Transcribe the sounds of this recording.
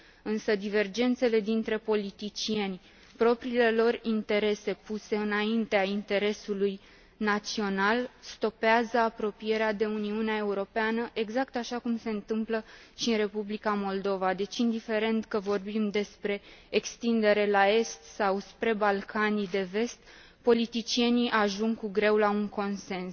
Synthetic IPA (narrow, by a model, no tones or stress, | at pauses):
ɨnsəd̪ive̞rd͡ʒe̞nt̪se̞le̞d̪int̪ɾe̞po̞lit̪it͡ʃie̞nʲ | pɾo̞pɾiːle̞lo̞rint̪e̞ɾe̞se̞puse̞ɨnaint̪eaint̪e̞ɾe̞suluj | nat̪sio̞nalst̪o̞peazəapɾo̞pije̞ɾead̪e̞uniuneae̞uɾo̞peanəʔeɡzakt̪aʃakumse̞ɨnt̪ɨmpləʃiɨnre̞publikamo̞ld̪o̞vad̪e̞t͡ʃind̪ife̞ɾe̞nt̪kəvo̞rbimd̪e̞spɾe̞ːkst̪ind̪e̞ɾe̞lae̞st̪sawspɾe̞balkʰanid̪e̞ve̞st̪ | po̞lit̪it͡ʃie̞niʔaʒuŋɡkuɡɾe̞wlauŋko̞nse̞ns